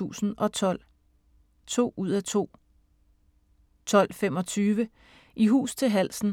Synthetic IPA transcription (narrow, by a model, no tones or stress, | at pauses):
ṵːsn̩ɒ̽t͡sʰɒl̰ | t͡sʰo̝̰ːuð̞̰ˠæt͡sʰo̝̰ː | t͡sʰɒ̽l̰fem̰ɒ̽t͡sʰyːʋə | ʔiɦṵːst͡sʰe̝lɦæl̰sn̩